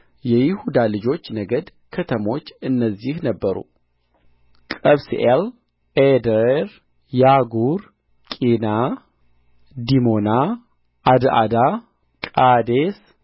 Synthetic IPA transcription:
jɛjɪhud̪alɨd͡ʒo̞t͡ʃːnəɡəd̪ | kʰət̪ʰəmo̞t͡ʃːɨnːəzːihnəbːəɾṵ | kʼəβsʔel | ed̪əɾ | jaɡuɾ | kʼina | d̪imo̞na | ʔad̪ʔa̰d̪a | kʼad̪es

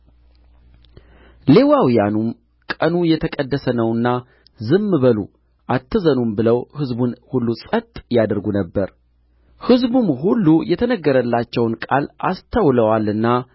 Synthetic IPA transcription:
le̞wawijanum | kʼənujɛt̪ʰəkʼəd̪ːəsənəwɨnːa | zɨmːɨβəlu | ʔat̪ʰːɨzənumbɨləwhɨzbunhulːusʼət̪ʼjad̪ɾɡunəbːəɾ | hɨzbumhulːujɛt̪ʰənəɡːəɾəlːat͡ʃːɛwnkʼala̰st̪ʰawləwalɨnːa

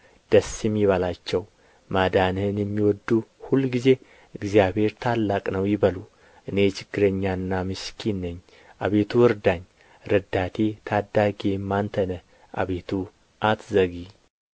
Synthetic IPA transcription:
d̪̥əsːɪmjɪβalat͡ʃːɛw | mad̪anhnjɛmːiwɔd̪ːuhulːɡize̞ | ɨɡzijabhe̞ɾt̪ʰalːakʼnəwjɪbəlu | ʔɨne̞t͡ʃɪ̥ɡːɨɾeɲːaɨnːamɨskʰinːəɲː | ʔaβe̞t̪ʰuɨɾd̪aɲ | ɾɨd̪at̪ʰe̞t̪ʰad̪ːaɡemːant̪ʰənə | ʔa̰βe̞t̪ʰu | ʔat̪zəɡi

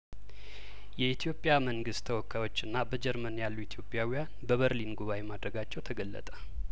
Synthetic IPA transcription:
jɛit̪ʰijo̞pʼjaməŋɡɨst̪ʰəwɔkʰːawo̞t͡ʃːɨnːabəd͡ʒɛɾmənjalːuit̪ʰijo̞pʼːjawijanbəβəɾlinɡuβawemad̪ɾəɡat͡ʃːɛwt̪ʰəɡəlːə̰t̪ʼə̥

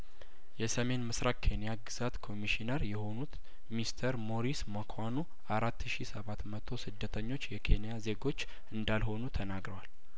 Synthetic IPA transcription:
jɛsəme̞nmɨsɾakkʰe̞nijaɡɨz̥at̪kʰo̞miʃinəɾjɛho̞nut̪ | mist̪ʰəɾmo̞ɾisməkʰwanu | ʔaɾat̪ːʃisəβat̪mət̪ʰo̞sɨd̪ːət̪ʰəɲːo̞t͡ʃːjɛkʰe̞nijaze̞ɡo̞t͡ʃː | ɨnd̪alho̞nut̪ʰənaɡɾəwal

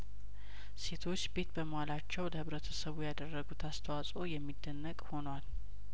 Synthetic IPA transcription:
se̞t̪ʰo̞t͡ʃːbe̞t̪bəməwalat͡ʃːɛwləhɨβɾət̪ʰəsəβujad̪ərːəɡut̪ʰast̪ʰəwasʼo̞jɛmːid̪ːənːəkʼho̞nwal

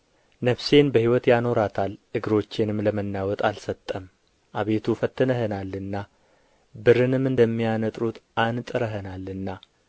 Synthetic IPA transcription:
nəβse̞nbəhiwɔt̪jano̞ɾat̪ʰalʔɨɡɨɾo̞t͡ʃːenɨmləmənːawɔt̪ʼalsət̪ʼːəm | ʔaβe̞t̪ʰufət̪ːɨnəɦənalːɨnːa | bɨɾɨnɨmɨnd̪əmːijanət̪ʼɾut̪ʔant̪ʼɨɾəɦənalːɨnːa

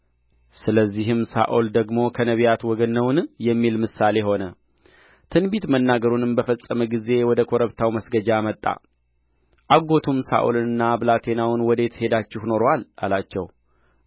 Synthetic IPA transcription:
sɨləzːiɦɨmsa̰ʔold̪əɡmo̞kʰənəβjat̪wɔɡənːəwnjɛmːilmɨsale̞ɦo̞nə | t̪ʰɨnbit̪mənːaɡəɾunɨmbəfəsʼːəməɡize̞wɔd̪əkʰo̞ɾəβt̪ʰawməsɡəd͡ʒamət̪ʼːa̰ | ʔaɡo̞t̪ʰumsa̰ʔulɨnɨnːabɨlat̪ʰe̞nawnwɔd̪e̞t̪he̞d̪at͡ʃːɪhno̞ɾowala̰lat͡ʃːɛ̰w

